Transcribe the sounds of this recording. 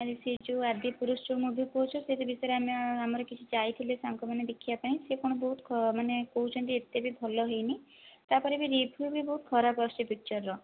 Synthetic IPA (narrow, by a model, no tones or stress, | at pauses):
aɾised͡ʒuad̪ipuɾusʈumubʱipowt͡ʃʰɔset̪ibisɔjɾeameamɔɾɔkit͡ʃʰut͡ʃajt̪ʰilesaŋkumaned̪ekʰibapaɽ̃ĩsekoɽ̃ɔbɔɦut̪ʰmanekoɦut͡ʃʰɔnt̪iet̪ebʱibʱɔlɔɦejni | t̪apɔɾebiɾipʰubibɔɦut̪kʰɔɾapɔst͡ʃibik̚t͡ʃɔɾːɔ